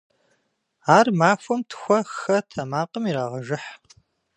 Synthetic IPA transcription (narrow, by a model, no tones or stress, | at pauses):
aːrmaːfʷɔmtʰxʷɐxɐtʰɐmaːqəmiɾaːʁɐʒɪħ